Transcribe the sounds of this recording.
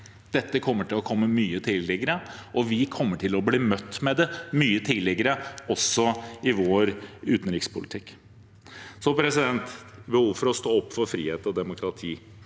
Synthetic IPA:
d̪̥ɛt̪ːəkʰɔmːəʈɪlɔkʰɔmːəmyːət̪ʰɪlɪɡəɾəɔʋɪkʰɔmːəʈʰɪlɔbliːmœt̪ːmɛd̪ɛmyːət̪ʰɪlɪɡəɾəɔsːɔɪʋoːɾʉːt̪n̩ɾɪkspʰʊlɪt̪ʰɪkː | sɔpʰɾɛsɪd̪ɛnt̪bəhuːʋfɔɾɔst̪oːɔpːfɔɾfɾḭːheːt̪ɔd̪ɛmʊkʰɾɑt̪ʰiː

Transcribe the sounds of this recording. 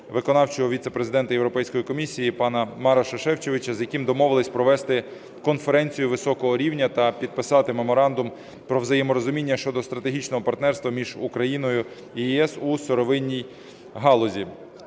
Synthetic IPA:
ʋɪkɔnɑwt͡ʃɔɦɔʋʲit̪sepɾezɪd̪ɛnt̪ɐjewɾɔpɛjsʲkɔjikɔmʲisʲːijipɑnɐmɑɾɐʃɐʃɛwt͡ʃeʋɪt͡ʃɐzjɐkimd̪ɔmɔʋɪlˠɪsʲpɾɔʋɛst̪ɪ | kɔnfeɾɛnʲt͡sʲijʊʋɪsɔkɔɦɔɾʲiwnʲɐt̪ɐpʲid̪̚pɪsɑt̪ɪmemɔɾɑnd̪ʊm | pɾɔʋzɐjɛmɔɾɔzʊmʲinʲːɐʃt͡ʃɔd̪ɔst̪ɾɐt̪eɦʲit͡ʃnɔɦɔpɐrt̪nɛrst̪ʋɐmʲiʒukɾɐjinɔjʊ | ijiɛsusɔɾɔʋɪnʲːij | ɦɑlˠɔzʲi

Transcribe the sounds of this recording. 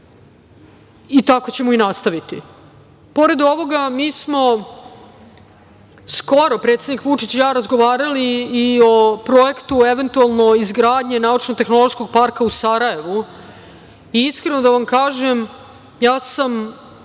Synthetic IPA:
it̪ako̞t͡ɕe̞moinast̪aʋit̪ḭ | po̞ɾe̞d̪o̞ʋo̞ɡamiːsmo̞ | sko̞ɾo̞pɾe̞t̪sed̪nikʋut͡ʂit͡ɕjaːɾazɡo̞ʋaːɾaliːo̞pɾo̞je̞kt̪ue̞ʋe̞nt̪ualˠno̞izɡɾaːd̪ɲe̞naut͡ʃnoɡ̚t̪e̞xno̞lˠo̞ʃko̞ɡ̚paɾkausaɾaje̞ʋu | iiskɾe̞no̞d̪aʋamkaːʒem | jaːsam

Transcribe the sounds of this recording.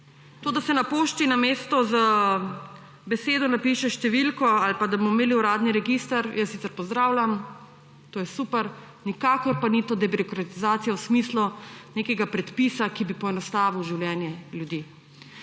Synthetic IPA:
t̪oːd̪asɛnapoːʃt͡ʃinameːst̪ɔzə | bɛseːd̪ɔnapiːʃɛʃt̪ɛʋilkɔalpad̪abomɔmeːliuɾaːd̪niɾɛɡist̪aɾjasit̪sɛɾpɔzd̪ɾaːwlʲam | t̪oːjɛsuːpɛɾ | nikaːkɔɾpanit̪oːd̪ɛbiɾɔkɾat̪izaːt̪sijawsmiːsluneːkɛɡapɾɛt̪piːsakibipɔɛnɔst̪aːʋiwʒiwlʲjɛːnjɛljud̪iː

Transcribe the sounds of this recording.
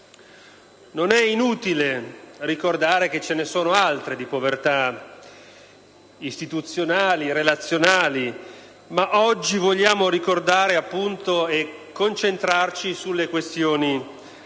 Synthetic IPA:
nonɛinuːt̪ilerikord̪aːɾek̟et͡ʃenesoːnoalt̪ɾed̪ipovert̪a | ist̪it̪ut̪sjonaːliɾelat̪sːjonaːli | maʔɔd͡ʒːivoʎːaːmoɾikord̪aːɾeapːunt̪oekːont͡ʃent̪ɾart͡ʃisulːekwest̪joːni

